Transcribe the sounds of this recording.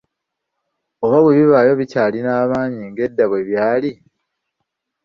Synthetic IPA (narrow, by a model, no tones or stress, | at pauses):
o̞βaβweβiβaːjo̞βicaːlinaːβaːɲiŋɡe̞dːaβweβjaːli